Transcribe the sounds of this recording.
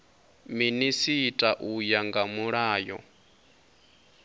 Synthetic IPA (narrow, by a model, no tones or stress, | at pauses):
minisitʼaʔujaŋɡamuɺaːjɔ̰